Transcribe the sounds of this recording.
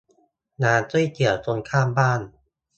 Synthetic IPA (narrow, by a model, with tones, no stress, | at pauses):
naː˧nt͡ɕu˥˨jki˨˩əwt͡ɕo˧nkʰaː˥˩mbaː˥˩n